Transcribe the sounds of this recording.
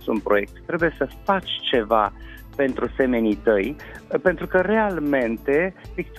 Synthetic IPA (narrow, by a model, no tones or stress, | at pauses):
sunpɾo̞je̞k̚t̪t̪ːɾe̞buje̞səfat͡ʃʲt͡ʃe̞va̰ | pe̞nt̪ɾuse̞me̞nit̪əj | pe̞nt̪ɾukəre̞alme̞nt̪e̞pikt̪